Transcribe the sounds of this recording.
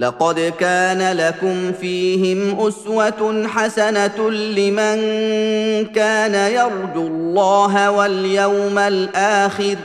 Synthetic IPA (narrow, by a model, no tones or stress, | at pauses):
lɑqɑd̪kaːnalakʊmfiːhɪmʔʊswaħasanalɪman | kaːnajɑɾˤd̪ullˤːɑːɦawaljawmalʔaːxɪɾ